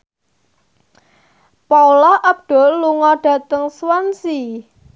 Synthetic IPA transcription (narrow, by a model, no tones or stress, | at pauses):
paulɔhʔap̚ɖ̥o̤luŋɔɖ̥ä̤t̪əŋswansi